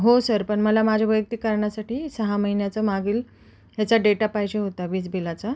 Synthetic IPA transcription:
ɦosəɾpəɳməlamad͡ʑʱaʋəjək̚t̪ikəɾɳjasaʈiːsəɦaməɦinjat͡səmaɡiːl | ɦjet͡ɕaɖeʈapaɦjd͡ʑeɦot̪aʋiːt͡sbʱilat͡sa

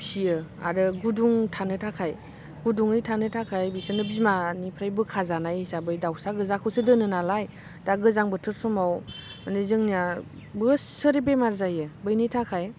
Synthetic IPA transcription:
sijɯa̰ɾɯɡuduŋtʰanɯtʰakʰaj | ɡuduŋijtʰanɯtʰakʰajbisɯnɯbizmanipʰɾajbɯkʰazanajsabɯjdawsaɡɯzakʰɯwsɯdɯnɯnalaj | d̥aɡɯzaŋbɯtʰɯɾsɔmawmanɯzɯŋnia | bɯssɯɾebemaɾzajɯbɯjnitʰakʰaj

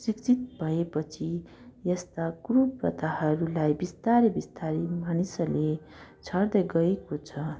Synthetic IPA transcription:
sikt͡sʰit̪̚bʱʌepʌt͡sʰi | jʌst̪aɡruprʌ̰t̪ahʌɾulajbist̪aɾebist̪aɾimanisʌle | t͡sʰʌrd̪ʌɡʌekot͡sʰʌ

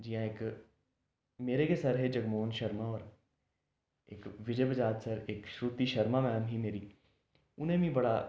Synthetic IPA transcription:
d͡ʒɪjãːɪk | meːɾekesəɾɦed͡ʒəɡmoːnʃəɾmaɔːɾ | ɪkʋɪd͡ʒəbəd͡ʒaːd̪səɾɪkʃɾuːt̪iʃəɾmaːmɛ̃ːmɦiːmeːɾiː | ʊnẽːʋĩːbɐɽaː

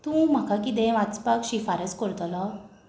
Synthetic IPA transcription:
t̪ũm̤akakit̪̬ɛ̃ʋat͡spakɕifaɾəskəɾt̪lɔ

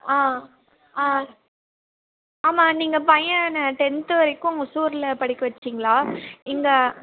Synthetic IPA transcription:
aː | aː | aːmaːniːŋɡɐpɐjɐ̃nɐʈɛnt̪ɯʋɐɾɐkːʊ̃ŋɡɐsuːɾɪlɐpɐɽɪkːɐʋɐt͡ʃːiːŋɡɐɭaːɪŋɡɐ

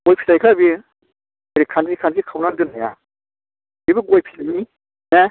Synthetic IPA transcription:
ɡɔjpʰilajkʰabi | aɾikʰanzikʰanzikʰawnandɯnaja̰ | bibiɡɔjpʰi̥lajni | ne

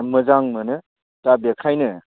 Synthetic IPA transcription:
mɯzaŋmɐnɯ | tabekʰajnɯ

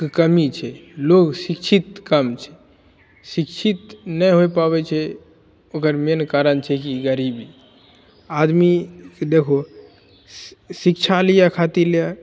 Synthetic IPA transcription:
kəmit͡ʃʰɛloksikt͡ʃʰit̪kəmt͡ʃʰɛ̥ | sikt͡ʃʰit̪nəjɦojpabɛt͡ʃʰɛ | okəɾmeənkaɾənt͡ʃʰɛkiɡəɾibi | ad̪miked̪ekʰo | sikt͡ʃʰalijakʰat̪iɾleja

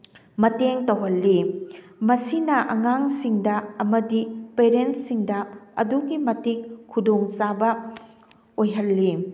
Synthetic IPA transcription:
mɐteŋtɐwɦɐlːi | mɐsinɐʔɐŋaŋsiŋdɐɐmɐdipeɾensːiŋdɐɐ̰duɡimɐtikʰːudoŋsabɐ | ojɦɐlːi

